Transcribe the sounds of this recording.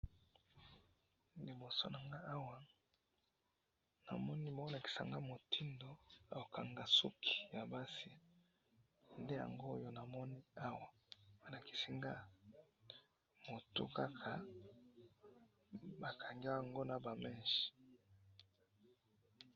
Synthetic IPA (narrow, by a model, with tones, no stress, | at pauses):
li˨bo˨so̰˦na˨ŋɡa˦a˦wa˦ | na̰˨mɔ˦ni˦ma˨˦ɔ˦na˨ki̥˨sa̰˨ŋɡa˦mo˨ti˦ndo˨˦a˨o˨ka˨ŋɡa˨sṵ˦kʰi̥˨ja˨ba˦si˨ | nde˦ja̰˨ŋɡo˦jo˦na˨mɔ˦ni˦a˦wa˨˦ | na˨ki̥˨si˦ŋɡa˦ | mo˨tṵ˦ka˦kʰa˨ | ba˨kʰa˨ŋɡi˦a˦wŋɡo˦na˨ba˨mɛ̃˦˨nʃi̥˨